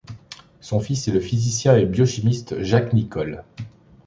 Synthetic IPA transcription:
sɔ̃fisɛləfizisjɛ̃ebjɔʃimist̪ʒaknikɔl

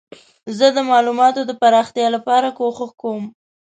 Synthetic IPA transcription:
zəd̪əmɑlumɑt̪od̪əpaɾɑxt̪jɑlapɑɾakoxəxkawəm

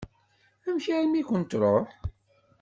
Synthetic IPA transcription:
æmçaɾmikʷənt̪ɾˤoħ

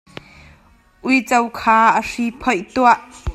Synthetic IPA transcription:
ʔʊjt͡sɐwkʰaːʔəripʰɔjʔt̪uaʔ

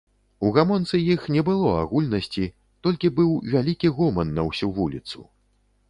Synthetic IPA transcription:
uɣamɔnt̪sɨjixnʲɛbɨlˠɔa̰ɣulʲnɐsʲt͡sʲi | t̪ɔlʲkʲibɨwvʲalʲikʲiɣɔmɐnːɐwsʲuvulʲit̪sṵ

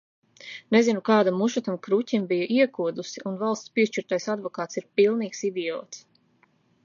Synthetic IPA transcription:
nezinukaːd̪amːuʃat̪amkɾucʲimbijaʔiɛkuɔd̪usiʔunvalˠst̪spiɛʃt͡ʃiɾt̪ajsad̪vɔkaːt̪siɾpilˠniːksid̪iɔ̰ːt̪s

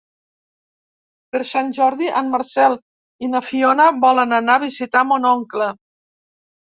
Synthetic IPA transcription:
pəɾsanʲʒɔɾðiʔanməɾsɛlˠ | inəfionəβɔlənənaβizit̪amonɔŋklə

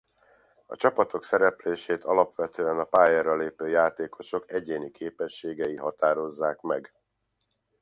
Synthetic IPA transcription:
ɒ̰t͡ʃɒpɒt̪ʰo̞ksɛɾɛpleːʃeːt̪ʰɒlɒpʋɛt̪øːɛnɒpaːjɛrːɒleːpøːjaːt̪eːkʰo̞ʃo̞kɛɟeːnikʰeːpɛʃːeːɡɛiɦɒt̪aːɾo̞zːaːkmɛɡ

